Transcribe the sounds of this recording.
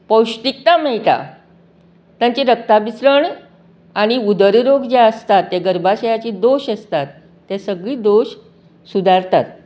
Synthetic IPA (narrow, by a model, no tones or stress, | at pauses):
pəwɕt̪ik̚t̪amɛɭt̪a̰ | t̪jãɲt͡ɕiɾək̚t̪abisɾəɳ | aɽ̃iud̪əɾɾoɡd͡ʑaəst̪at̪ːeɡəɾbaɕəjat͡ɕiːd̪oɕəst̪at̪ː | ɛsəɡɭiːd̪oɕ | sud̪ʱaɾt̪at̪